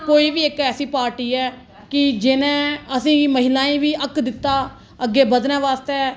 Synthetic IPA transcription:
koːiːʋiːɪkɛːsiːpaːɾʈiːɛː | kɪd͡ʒɪnẽːəsĩːməɦɪlãːĩːʋiːʔəkd̪ɪt̪ːaː | əɡːeːbəd̪nɛ̃ːʋaːst̪ɛː

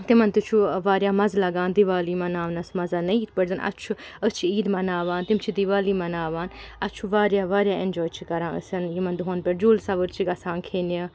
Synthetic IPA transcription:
t̪imɐnt̪it͡ʃʰuʋaːɾjaːmɐzlɐɡãːnd̪iʋaːliːmɐnaːʋnɐsmɐzanɐ̃it̪ʰpəɾzɐnʔɐ̰tt͡ʃʰuət͡ʃʰiiːd̪mɐnaːʋaːnt̪imt͡ʃʰid̪iʋaːliːmɐnaːʋaːnɐt͡ʃʰuʋaːɾjaːʋaːɾjaːenʲd͡ʒoːjt͡ʃʰikɐɾãːə̰sɐnjimɐnd̪uɦɐnpeɾd͡ʒuːlsaːʋəɾt͡ʃʰiɡɐsãːnkʰeːna

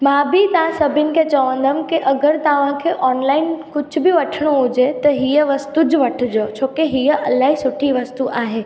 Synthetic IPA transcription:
mãbit̪ɐʋ̤ãsɐbʱɪnɪ̆kʰet͡ɕɐʋə̃n̆d̪ʱəmkiʔɐɡəɾt̪ɐʋ̤ãkʰeːʔɔːnlaːɪnkʊd͡ʑʱʊ̆bɪʋɐʈʰəɽ̃oɦʊd͡ʑet̪ɐɦijəʋɐst̪ud͡ʑʋɐʈʰɪd͡ʑoːt͡ɕʰoːkeɦijəʔɐlaːɦisʊʈʰiʋɐst̪uʔaːɦeː

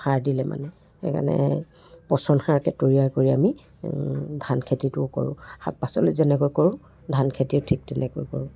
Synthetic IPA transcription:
xaɹdilɛma̰nɛ | xɛ̰kʰa̰nɛ̰ | pɔsɔnxaɹkɛtoɹiajkoɹiami | dʱankʰetitʊko̰ɹʊ̰̃ha̰t̚pasɔlezɛnɛkojkoɹʊ̃ | dʱankʰetiʊtʰik̚tɛnɛko̰jkɔ̰ɹʊ̃

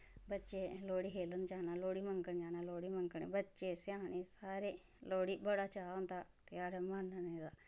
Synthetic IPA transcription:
bɐtːt͡ʃeloːɽiɦeːlənt͡ʃaːnaloːɽimɐŋkənd͡ʒaːnaloːɽimɐŋkəɳḛbɐtːt͡ʃesjaːnesaːɾe | loːɽibɐɽat͡ʃaːnt̪at̪jaːɾemanːəned̪a

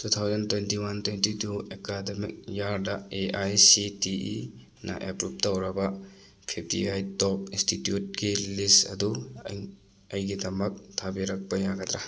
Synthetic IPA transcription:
tut̪ʰawzɐntwentiwantwentituekademik̚jaɾdɐeajsitiḭ | nʔɐ̰ʔepɾup̚tɐwɾɐbɐ | pʰip̚tiajtɔp̚institjut̚ɡilistɐ̰du | ɐjɡidɐmɐk̚tʰabiɾɐk̚pɐjaɡɐd̪ɾa

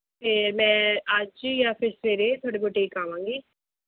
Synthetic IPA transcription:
pʰeɾmɛ̃ːəd͡ʒjaːpʰɪɾsʋeːɾeːt̪ʰoːɽeːboʈeːiːkaːʋãːŋɡiː

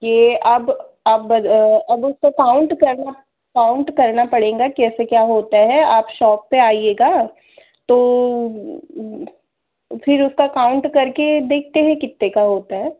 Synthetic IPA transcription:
jeːɐb | aːp̚bɐd̪ɐbʊskokaːʊ̃ɳʈkɐɾna | kaʊ̃ɳʈkɐɾnapɐɽẽːŋɡakiɛːsekjaːɦoːt̪aɦɛaːpʃɔːk̚peaːieːɡaː | t̪oː | fʰɪɾʊskakaʊ̃ɳʈkɐɾked̪eːk̚ʰt̪eɦɛ̃kɪt̪ːekaɦoːt̪aɦɛː

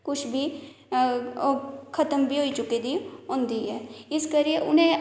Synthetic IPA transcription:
kʊt͡ʃʰbʱiː | kʰət̪əmbʱiːɦoːit͡ʃʊked̪iːɦõːnd̪iːɦɛːɪskəɾieʔʊnẽ

